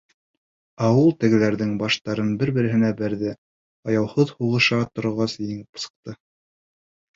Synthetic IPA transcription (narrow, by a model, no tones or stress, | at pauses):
ɑwɤlˠt̪ɘ̆ɡɘ̆læɾðɘŋbɑʃt̪ɑɾɤnbɘɾbɘ̆ɾɘ̆ɦɘ̆næbæɾðɘ | ɑjɑwhɤðhuʁɤ̆ʃɑt̪ŏɾŏʁɑsjɘŋpɤ̥̆sɤ̥̆q̚t̪ɤ